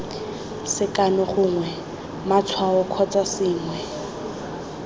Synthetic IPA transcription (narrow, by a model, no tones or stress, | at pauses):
sɪkanɔχʊːŋwɛ | mat͡sʰwaɔkʰɔt͡sasɪːŋwɛ